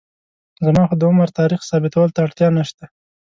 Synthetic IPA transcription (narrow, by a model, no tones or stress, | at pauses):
zamɑxod̪əʊmaɾt̪ɑɾixsɑbɪt̪awəlt̪aːʈt̪jɑnaʃt̪a